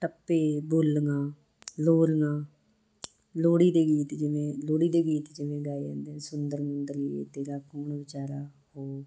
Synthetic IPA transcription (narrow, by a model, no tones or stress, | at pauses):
ʈəpːeːbʊlŋãː | loːɾŋãː | loːɽiːd̪eːɡiːt̪d͡ʒɪʋẽːloːɽiːd̪eːɡiːt̪d͡ʒɪʋẽːɡaːid͡ʒɛ̰̃ːnd̪eɛ̃ːsʊnd̪əɾmənd̪əɾiːḛːd̪eːɾaːkoːɳʋɪt͡ʃaːɾaːhoː